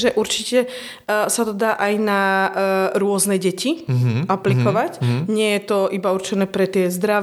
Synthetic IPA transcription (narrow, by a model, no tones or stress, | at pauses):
ʒɛʔuɾt͡ʃicɛ | sat̪ɔd̪aːʔajna | ɾʊɔznɛɟɛciaplikɔʋacɲɪɛjɛt̪ɔibauɾt͡ʃɛnɛːpɾɛt̪ɪɛzd̪ɾaʋ